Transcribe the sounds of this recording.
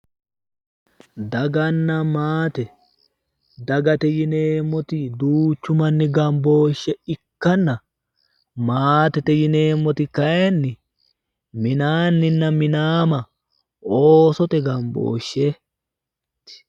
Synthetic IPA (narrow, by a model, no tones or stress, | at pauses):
d̪ɐɡɐnːɐmaːt̪ɛ | d̪ɐɡɐt̪ɛjɪneːmːɔt̪ɪd̪uːt͡ʃːʊmɐnːɪɡɐmbo̞ːʃːɛɪkːɐnːɐ | maːt̪ɛt̪ɛjɪneːmːɔt̪ɪkɐjɛnːɪ | mɪnaːnːɪnːɐmɪnaːmɐ | oːsɔt̪ɛɡɐmbo̰ːʃːɛ | t̪ɪ̥